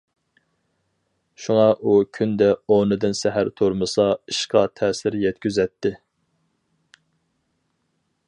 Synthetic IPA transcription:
ʃuŋɑʔukʲʰynd̪ɛonɨd̪ɨnsɛɦæɾt̪ʰoɾmɨsɑiʃqʰɑt̪ʰɛːsɪɾjɛt̪̚kʲyzɛt̪ʰːɪ

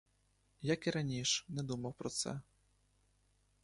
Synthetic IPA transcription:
jakiɾanʲiʂnɛd̪umɐwpɾɔt̪sɛ̰

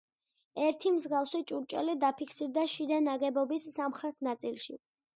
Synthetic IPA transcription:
ɛɾt̪ʰimzɡafsit͡ʃʼuɾt͡ʃʼɛ̰lid̪apʰikʰsiɾd̪aʃid̪anaɡɛbɔbisːamχɾɛt̪ʰnat̪sʼilʃḭ

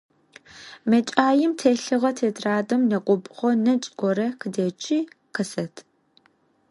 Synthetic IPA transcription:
mɐt͡ʃʼaːjɪmtʰeɬɨʁɐtʰeːdraːdɐmnɐqʷʼɔpʼʁʷɔnɐt͡ʃʼɡʷɔɾɐqʰədɐt͡ʃʼiː | qəsɐtʰ

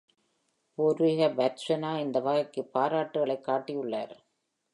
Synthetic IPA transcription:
poɾiɣɐbɐtsɐnaːɪnd̪ɐʋaːɣɐkːɯpːaːɾaːʈːɯɣɐɭɐɪkːaːʈːijʊɭːaːɾ

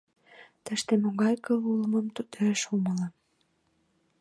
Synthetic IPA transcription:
t̪əʃt̪emoɣɑjkəluləmə̆mt̪ut̪eʃumələ

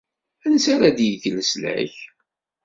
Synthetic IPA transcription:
ænəsaɾad̪jəʝləslæ̰ç

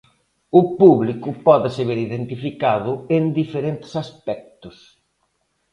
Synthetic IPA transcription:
ʊpuβlikʊpɔðɪseβeɾiðent̪ifikaðʊend̪ifeɾent̪ɪ̥saspɛk̚t̪ʊs

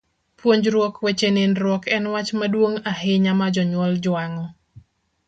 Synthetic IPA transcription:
pwoɲd͡ʒɾwɔkwet͡ʃenɪnɾɔkʰɛnwat͡ʃmadwoŋaɦɪɲamad͡ʒɔɲwɔld͡ʒaŋɔ

